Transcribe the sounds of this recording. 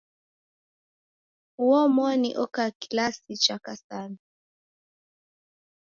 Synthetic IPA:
uɔmɔnḭʔɔkakilasit͡ʃakasani

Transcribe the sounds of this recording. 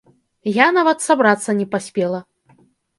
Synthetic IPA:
janavɐt̪sabɾat̪sːɐnʲɛpasʲpʲɛlˠɐ

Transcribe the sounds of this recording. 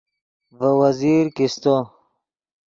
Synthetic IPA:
vəwɐziːɾkist̪o

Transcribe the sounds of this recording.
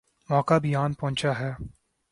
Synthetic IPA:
mɔːkabɪjaːnpɔ̃ɦʊ̃ɲt͡ʃaɦɛː

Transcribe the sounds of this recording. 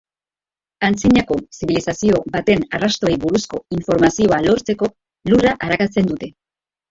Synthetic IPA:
ant͡siɲako̞siβilisasio̞bat̪e̞narast̪o̞ejβuɾusko̞iɱfo̞ɾmasio̞alo̞ɾt͡se̞ko̞ | luraʔaɾakat͡se̞nd̪ut̪e̞

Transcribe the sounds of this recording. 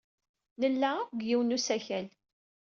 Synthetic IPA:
nəlːæɡjiwnusæçæl

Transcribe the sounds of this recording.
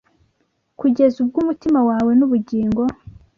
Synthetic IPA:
kuɟe̞zubɡumutimawaːwe̞nuβuɟiːŋɡo̞

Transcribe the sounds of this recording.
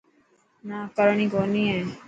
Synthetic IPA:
naːkəɾɳ̃ĩːkoːniːẽː

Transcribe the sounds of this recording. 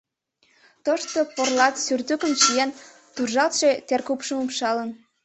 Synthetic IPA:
t̪oʃt̪oporlɑt̪syrt̪ykəmʃijɑn | t̪urʒɑlt̪ʃe̽t̪erkupʃəmupʃɑlən

